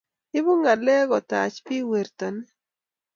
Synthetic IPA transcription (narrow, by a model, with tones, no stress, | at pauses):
ɪ˦bʊ˦ŋa˨lɛ˦ɣɔ˨t̪a˨t͡ʃpɪ˦we˨ɾt̪a˨n˦